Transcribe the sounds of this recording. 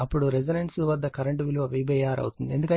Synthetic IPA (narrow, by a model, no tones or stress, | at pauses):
ɐpːuɽuɾed͡ʒɐnɐɳsuʋɐd̪ːɐkɐɾɐɳʈuʋiluʋɐʋibɛjaːɾɐ̰wt̪und̪iend̪ukɐ